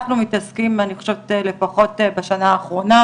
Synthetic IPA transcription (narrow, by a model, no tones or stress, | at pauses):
χnumitaskimaniχʃotele̞faχo̞tbaʃanaːχʁo̞na